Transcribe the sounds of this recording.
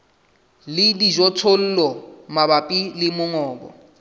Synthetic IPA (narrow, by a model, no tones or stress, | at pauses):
lɪdiʒɔtʰol̩ːlɔmabapʼilɪmʊŋɔːbɔ̰